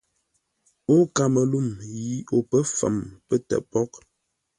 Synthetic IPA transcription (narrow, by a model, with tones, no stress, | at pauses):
o˦ka˨mə˨lu˦˨mji˦o˨pə˦fa̰˨mpə˦tɛ̰˨ʔpɔ˦k̚